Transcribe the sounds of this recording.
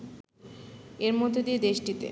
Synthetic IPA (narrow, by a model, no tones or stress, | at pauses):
eɾmod̪ʱːod̪ied̪eʃʈit̪ḛ